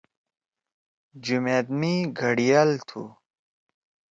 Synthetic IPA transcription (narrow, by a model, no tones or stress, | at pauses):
d͡ʑumeːd̪miɡʱɐɽijalt̪ʰṵ